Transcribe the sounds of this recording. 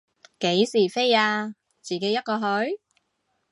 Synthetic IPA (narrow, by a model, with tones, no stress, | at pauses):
ke˨˥jsiː˨˩fe˥jaː˧ | t͡siː˨˩ke˨˥jːɐ˥t̚kɔː˧ɦɵ˨˥ɥ